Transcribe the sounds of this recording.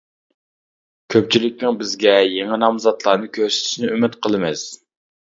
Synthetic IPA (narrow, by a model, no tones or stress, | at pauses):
kʲʰøp̚t͡ʃʰilɪk̚ʲnɪŋbɪzɡʲɛjeŋɪnɑmzɑt̪lˠɑɾnɨkʲʰøɾsɪ̥t̪ʰɪ̥ʃnɪymɪt̪qʰəlˠɨmɪs